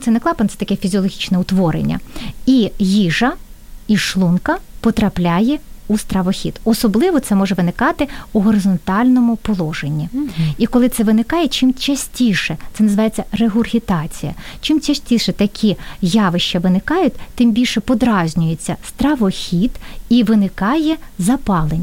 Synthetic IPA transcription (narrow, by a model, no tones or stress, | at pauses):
t̪sɛnɛklˠɑpɐnɔt̪sɛt̪ɐkɛfʲizʲɔlˠɔɦʲit͡ʃnɛʊt̪ʋɔɾḛnʲːɐ̰ijiʒɐ | iʃlˠunkɐpɔt̪ɾɐplʲajɛust̪ɾɐʋɔxʲid̪ɔsɔblˠɪʋɔt̪sɛmɔʒɛʋɪnɪkɑt̪ɪuɦɔɾɪzɔnt̪ɑlʲnɔmʊpɔlˠɔʒenʲːiikɔlˠɪt̪sɛʋɪnɪkɑjɛt͡ʃɪmt͡ʃɐsʲtʲiʃɛt̪sɛnɐzɨʋɑjet͡sʲːɐreɦʊrɦʲit̪ɑt͡sʲijɐ̰t͡ʃɪmt͡ʃɐsʲtʲiʃɛt̪ɐkʲʰijɑʋɪʃt͡ʃɐʋɪnɪkɑjʊt̚ʲt̪ɪmbʲilʲʃɛpɔd̪ɾɑzʲnʲʊjet͡sʲːɐst̪ɾɐʋɔxʲid̪iʋɪnɪkɑjɛzɐpɑlˠenʲː